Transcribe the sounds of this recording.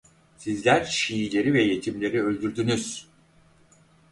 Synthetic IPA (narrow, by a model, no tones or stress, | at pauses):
sizlʲæɾʃijilʲe̞ɾivɛje̞t̪ʰimlʲe̞ɾiø̞lʲd̪yɾd̪ynyz̥